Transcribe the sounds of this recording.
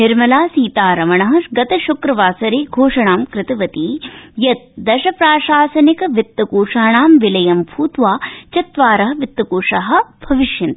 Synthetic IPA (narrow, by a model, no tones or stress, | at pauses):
nɪɾmɐlaːsiːt̪aːɾɐmɐɳɐɦɐɡɐt̪ɐʃukɾɐʋaːsɐɾeːɡʱoːʂɐɳaːmkɾɪt̪ɐʋɐt̪iːjɐt̪̚d̪ɐʃɐpɾaːʃaːsɐnikɐʋit̪ːɐkuːʂaːɳaːmʋɪlɐjɐmbʱuːt̪ʋaːt͡ʃɐt̪ʋaːɾɐɦɐ̆ʋit̪ːɐkuːʂaɦɐ̆b̥ʱɐʋiʃjɐnt̪